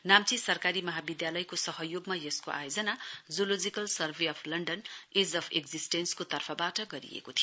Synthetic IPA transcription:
namt͡sisʌrkaɾimʌɦabid̪jalʌjkosʌɦʌjoɡmajʌskoʔa̰jod͡zʌnad͡zulod͡zikʌlsʌrbʱeʌpʰlʌɳɖʌned͡zʌpʰeɡd͡zisʈenskot̪ʌrpʰʌbaʈʌɡʌɾḭḛkot̪ʰij

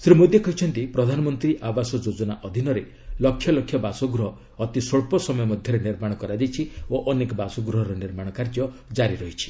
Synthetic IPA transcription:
sɾimod̪jekɔɦit͡ʃʰɔnt̪ipɾɔd̪ʱanɔmɔnt̪ɾiʔabasɔd͡ʒod͡ʒɔnaʔɔd̪ʱinɔɾe | lɔkʰːjɔlɔkʰjɔbasɔɡɾɔɦɔː | t̪isoɭpɔsɔmɔjɔmɔd̪ʱjɔɾeniɾmaɽ̃ɔkɔɾad͡ʒajt͡ʃʰioʔɔnekɔbasɔɡɾɔɦɔɾɔniɾmaɽ̃ɔkaɾd͡ʒjɔd͡ʒaɾiɾɔɦit͡ʃʰi̥

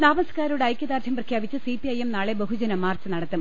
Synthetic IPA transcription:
naːbɐnsɐ̥kaːɾuɽeɐjkʲːɐd̪aːrt͡ɕ̪ʰɐmprɐkʰjaːbit͡ɕːɨsipiɐjemnaːɭebɐɦud͡ʑɐnɐmːaːrt͡ɕːɨnɐɽɐt̪ːum

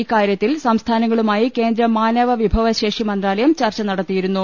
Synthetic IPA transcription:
ikːaːɾjɐt̪ːilsɐmst̪ʰaːnɐŋːɐɭumaːjike̞ːnd̪ɾɐmaːnɐʋɐʋibʱɐʋɐɕeːʂimɐnd̪raːlɐjɐmt͡ɕɐrt͡ɕːɐnɐɽɐt̪ːijiɾunːu

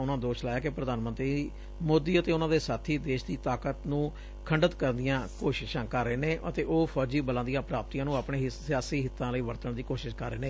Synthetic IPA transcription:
ʊnãːd̪oːʃlaːjaːkepɾəd̪aːnmə̃nt̪ɾiː | moːd̪iːət̪eːʊnãːd̪eːsaːt̪ʰiːd̪eːʃd̪iːt̪aːkət̪nũː | kʰəɳɖət̪kəɾnd̪ɪjãːkoːʃɪʃãːkəɾːəeːnẽːʔət̪eːʔoːpʰɔːd͡ʒiːbəlãːnd̪ijãːpɾaːp̚t̪iːãːnũːaːpɳẽːsɪjaːsiːɦɪt̪ːãːləiːʋəɾt̪əɳd̪iːkoːʃɪʃkəɾːeːnẽː

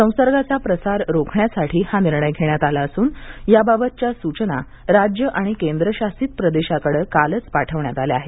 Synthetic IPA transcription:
sə̃w̃səɾɡat͡sapɾəsaɾɾokʰɳjasaʈʰiːhaniɾɳəjɡʱeɳjat̪alaəsuːnjababət̪̚t͡ɕjasut͡ɕna̰ | ɾad͡ʑjəʔaɽ̃ikend̪ɾəɕasiːt̪̚pɾəd̪eɕakəɽəːkalət͡spaʈʰəʋɳjat̪aleaɦe

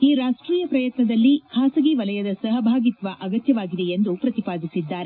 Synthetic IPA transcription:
iɾaːʂʈɾiːjɐpɾɐjɐt̪nɐd̪ɐlːikʰaːsɐɡiʋɐlɐjɐd̪ɐsɐɦɐbʱaːɡit̪ʋɐʔɐɡɐt̪jɐʋaːɡid̪e̞jend̪upɾɐt̪ipaːd̪isid̪ːaːɾe

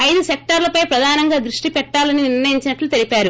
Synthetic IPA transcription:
ɐjd̪usek̚ʈɐɾlɐpɐjpɾɐd̪ʱaːnɐŋɡaːd̪ɾuʂʈipɛʈːaːlɐniniiɾnɐjiɲt͡ʃinɐʈlut̪e̞lipaːɾu

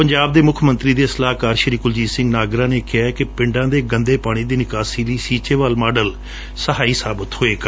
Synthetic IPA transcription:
pəɲd͡ʒaːb̚d̪eːmʊkʰmənt̪ɾiːd̪eːsəlaːɦkaːɾʃəɾiːkʊld͡ʒiːsɪ̃ŋɡnaːɡɾãːneːkɪaːkɪpɪɳɖãːd̪eːɡənd̪eːpaːɽ̃iːd̪iːnɪkaːsiːləiːsiːt͡ʃeːʋaːlmaːɖəl | səɦaːiːsaːbət̪hoːeːk

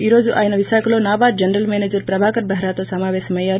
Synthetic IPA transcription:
iɾod͡zuʔajnɐʋisakʰlonaːbaɾ̚d͡ʒɐnɾəlmened͡ʒəɾpɾɐbʱaːkəɾbʱəɦɾat̪osamaːʋesmɐja

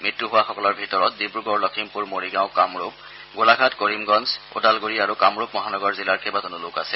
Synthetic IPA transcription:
mɹitːuɦʊwaxɔkɔlɔɹbʱitɔɹɔt̚dibɹuɡɔɹlɔkʰimpuɹmoɹiɡaʊ̃kamɹup̚ | ɡolaɡʱatkoɹimɡɔnzʊ̰dalɡoɹiaɹukamɹupmɔɦanɔɡɔɹzilaɹkʰɛbazɔnolʊka̰sɛ

